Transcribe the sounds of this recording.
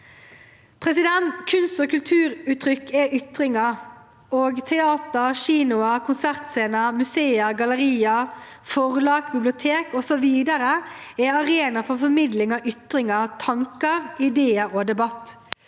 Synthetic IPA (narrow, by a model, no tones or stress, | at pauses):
pʰʁɛsɪd̪ɛnt̪kʰʉnst̪oːkʉlt̪ʰʉːɾʉːt̪ʰɾʏkːɛʔʏt̪ʁɪŋɑ | oːɡt̪ʰɛɑːt̪əɾʃiːnʊəkʰʊnsæʁt̪seːnəmʉseːəɡɑləʁiːɑ | fɔʁlɑːkbɪblɪʊt̪ʰeːkɔsɔʋiːd̪əɾəɛɑʁeːnɑfɔʁfɔɾmɪd̪lɪŋɑʔʏt̪ɾɪŋɑt̪ʰɑŋkəʁɪd̪eːəɾoːd̪ɛbɑt̪ː